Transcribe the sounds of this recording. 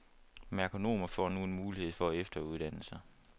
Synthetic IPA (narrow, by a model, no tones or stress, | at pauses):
mækʰo̝no̝̰ːmɐfɒ̰ːnue̝nmuːlihe̝ð̞̰ˠfɒ̽æefd̥ɐuð̞ˠd̥æn̰l̩sɐ